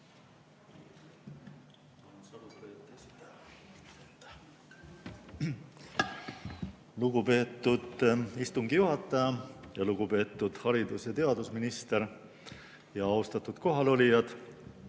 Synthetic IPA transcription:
onsɑlut̪et̪ːesi̥t̪ | et̪ː | luɡupe̞ːt̪ːud̪̥ist̪uŋɡ̥ijuɦɑt̪ːˑɑjɑjɑluɡ̥upe̞ːt̪ːˑud̪̥hɑɾid̪usjɑt̪e̞ɑd̪usminist̪eɾ | jɑɑwst̪ɑt̪ːˑud̪̥ko̞ɦɑlo̞lʲijɑd̪̥

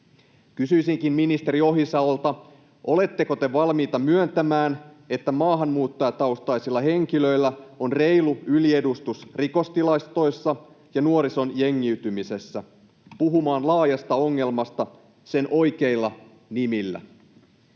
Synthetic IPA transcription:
kysyijsiŋkimminist̪e̞ɾio̞ɦisɑolt̪ɑ | ʔo̞le̞t̪ːe̞ko̞t̪e̞ʋɑlmiːt̪ɑmyønt̪æmæːn | e̞t̪ːæmɑːɦɑnmuːt̪ːojɑt̪ɑust̪ɑjsilːɑɦe̞ŋkilø̞jlːæo̞nre̞iluylie̞dust̪usriko̞st̪ilɑjst̪o̞jsːɑ | jɑnuoɾiso̞nje̞ŋːiyt̪ymise̞sːæ | puɦumɑːnlɑːjɑst̪ɑo̞ŋːe̞lmɑst̪ɑ | se̞nʔo̞jke̞ilːɑ | nimilːæ̰

